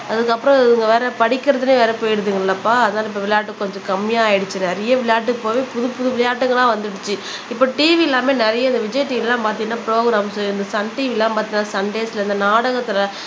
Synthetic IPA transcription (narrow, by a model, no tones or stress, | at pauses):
ɐðɯkːɐpːɯɾɔ̃ðɪŋɡɐʋeːɾɐpɐɽɪkːɪɾɐðɯneːʋeːɾɛpoːjɪɽɯðɯŋɡɐlːɐpːaːɐðɐnaːlɐɪpːoʋɪlɐjaːʈːɯkːɔɲd͡ʒɔ̃kɐmːɪjaːjɪɽɯt͡ʃːɯnɛɾɐjɐʋɪlɐjaːʈ̬ːɯkːɯpoːʋeːpʊðʊpʊðɯʋɪɭɐjaːʈːɯŋɡɐlãːʋɐnd̪ɯɽɯt͡ʃːɯ | ɪpːoːʈiːʋiɪlːaːmeːnɛɾɐjɐɪnd̪ɐʋɪd͡ʒɐɪʈːiɪllːãːpaːɾt̪iŋɡɐnːaːpɾoːɡɾaːmsɪnd̪ɐsɐɳʈiːʋɪlːãːmpaːɾt̪iŋnːaːsɐɳɖeːsɪlɐɪnd̪ɐnaːɽɐɣɐt̪ːɪlɐ